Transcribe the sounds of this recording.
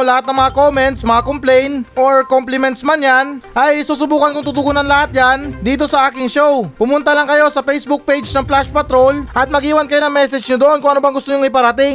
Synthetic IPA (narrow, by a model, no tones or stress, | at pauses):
lɐhat̪̚nɐŋmɐŋako̞mɛnt̪smɐŋakomplɛjnʔoɹkomplɪmɛnt̪smanjanʔɐjsuːsʊbuːkɐnkʊŋt̪ut̪ʊɡunɐnlɐhat̪̚jand̪iːt̪̬o̞sɐʔaːkɪŋʃowpʊmʊnt̪ɐlɐŋkɐjo̞sɐfejsbʊk̚pejd͡ʒnɐŋplaʃpɐt̪ɾo̞lʔɐt̪̚mɐɡiːwɐnkɐjo̞nɐŋmɛsɛd͡ʒɲʊd̪oʔo̞nkʊŋɐnobɐŋɡʊst̪oɲʊŋɪpɐɾɐt̪ɪŋ